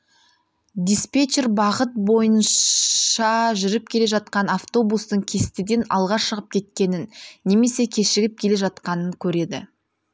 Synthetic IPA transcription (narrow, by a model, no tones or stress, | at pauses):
d̪ʲispet͡ʃerbɑʁət̪̚bo̞jən | ɑʒʏɾɪp̚kʲʰe̞le̞ʒɑt̪̚qɑnaft̪o̞bust̪əɴkʲʰe̞st̪ɪd̪e̞nɑ̰lˠʁɑʃəʁəp̚kʲʰe̞t̪̚kʲe̞nɪnːe̞me̞se̞kʲʰe̞ʃɪɡʲɪp̚kʲʰe̞leʒɑt̪qɑnəŋkʲʰɵɾe̞d̪ɪ̰